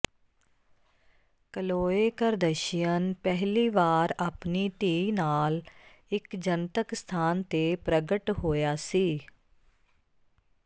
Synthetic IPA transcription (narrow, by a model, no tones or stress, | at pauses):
kəloːeːkəɾd̪əʃɪjənpɛɦliːʋaːɾaːpniːt̪iːnaːl | ɪkd͡ʒənt̪əkst̪ʰaːnt̪eːpɾəɡəʈɦoːjaːsiː